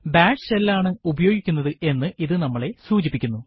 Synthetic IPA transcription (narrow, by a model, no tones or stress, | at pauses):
baːɖselːaːɳɨubɐjo̞ːɡikʲːunːɐðɨʔe̞nːɨʔiðɨnɐmːɐɭe̞suːt͡ɕipːikʲːunːu